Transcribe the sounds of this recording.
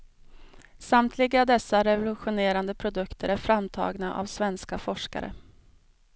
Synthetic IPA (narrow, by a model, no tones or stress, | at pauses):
samt̪ʰlɪɡad̪ɛsːaɾɛvʊlɵɧʊneːɾand̪əpʰɾʊd̪ɵkt̪ʰəɾæɾfɾamt̪ʰɑ̰ːɡnaʔa̰vsvɛnskafɔʂka̰ɾə̰